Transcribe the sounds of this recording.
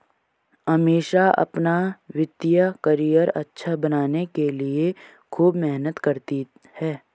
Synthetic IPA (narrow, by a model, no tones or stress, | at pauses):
ɦɐmeːʃaɐ̰pnaʋɪd̪jəkɐɾijəɾɐtːʃʰabɐnaːnekelie | kʰuːbmɛɦnət̪kɐɾt̪i | hɛː